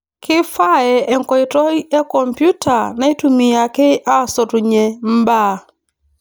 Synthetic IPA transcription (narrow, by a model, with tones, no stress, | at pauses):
kʰɪ˦fa˦˨ɛ˨ʔɛ˨ŋ̩˨kɔ˨ɪ˨tɔ˦ɛ˦kɔ˨mpju˦ta˨na˦i˦tu˨mi˨ja˨kɪ˦ʔa˦sɔ˨tu˨ɲe˨m̩˦ba˦˨